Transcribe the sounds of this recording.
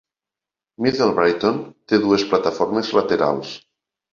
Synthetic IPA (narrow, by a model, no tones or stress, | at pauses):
mitelβɾajt̪ont̪eðuesplat̪afoɾmezlat̪eɾa̰ls